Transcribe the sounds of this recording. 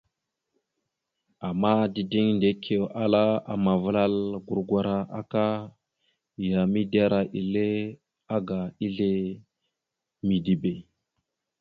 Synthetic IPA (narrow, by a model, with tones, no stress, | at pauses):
a˨ma˦di˨di˦ŋnde˨˦kʰe˨wa˦la˦a̰˨ma˨vla˦lɡu˨ɾɡʷa˦ɾa˦ʔa̰˦ka˦˨ | ja˨mi˦da˦ɾa˨ʔi˨le˦ | a˦ɡa˨i˦ɮe˦ | mi˨di˨be˨